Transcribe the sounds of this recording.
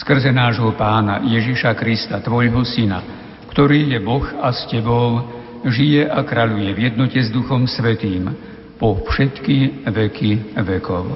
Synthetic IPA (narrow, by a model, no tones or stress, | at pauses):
skr̩zɛnaːʒɦɔpaːna̰jɛʒiʃakɾist̪at̪ʋɔʎɦɔsina̰ | kt̪ɔɾiːjɛbɔxascɛbɔl | ʒijɛʔakɾaʎujɛvjɛd̪nɔcɛzd̪uxɔmsʋɛt̪iːm | pɔfʃɛt̪kiʋɛkiʋɛkʰɔ̰ʊ